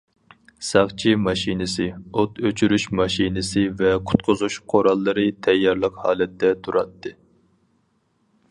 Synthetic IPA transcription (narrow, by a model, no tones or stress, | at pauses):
sɑʁt͡ʃʰimɑʃinɨsɨot̪øt͡ʃʰyɾyʃmɑʃinɨsɨvɛqʰʊ̥t̪̚qʰʊzuʃqʰoɾɑlˠːɨɾɨt̪ʰɛjːɑɾlˠəqhɑ̰ːlɛt̪ːɛt̪ʰuɾɑt̪ʰːɨ